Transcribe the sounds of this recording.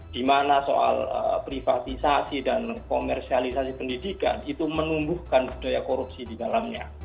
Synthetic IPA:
d̥imanaso̰ʔa̰lə̰pɾifat̪isasidankomɛrsialisasipəndidika̰nit̪umənumbuhkanbidajakoɾup̚sididalamɲa̰

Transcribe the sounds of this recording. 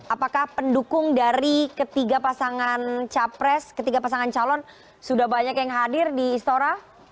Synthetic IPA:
ʔapakahpəndukʊŋdaɾikət̪iɡapasaŋant͡ʃapɾɛskət̪iɡapasaŋant͡ʃalɔn | sudahbaɲakjaŋɦadɪrdiːst̪oɾa

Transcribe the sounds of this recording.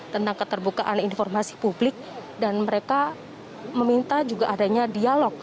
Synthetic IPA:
t̪ənt̪aŋkət̪ərbukaʔaninfɔrmasi̥publɪk̚danməɾeka | məmint̪ad͡ʒuɡaʔːdaɲadialɔk̚

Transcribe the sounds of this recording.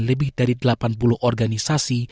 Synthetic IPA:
nləbɪhd̥aɾidəlapanpulʊhʔɔrɡanisasi

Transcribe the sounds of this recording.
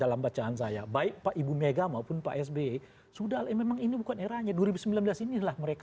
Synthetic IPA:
dalambat͡ʃaans̬ajabaɪk̚paʔibumeɡamapʊnpa̰ʔɛs̬be | sudalɛmemaŋinibukaneɾahɲaduaɾibusəmbilanbəlasinilahməɾek

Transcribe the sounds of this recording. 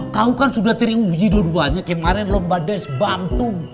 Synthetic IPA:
kaukansudaht̪əɾiud͡ʒidoduaɲakamaɾɛnlɔmbadɛsbamt̪um

